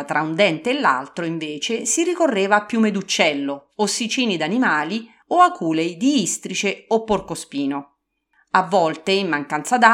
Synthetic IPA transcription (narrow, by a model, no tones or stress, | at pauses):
t̪ɾʔaund̪ɛnt̪eːlːa̰lt̪ɾoiɱveːt͡ʃesiɾikorːeːvaːpːjumed̪ut͡ʃːɛlːoosːit͡ʃiːnid̪animaːli | oakuːlejd̪iist̪ɾit͡ʃeopːorkospiːno | avːɔlt̪eimːaŋkant̪sad̪a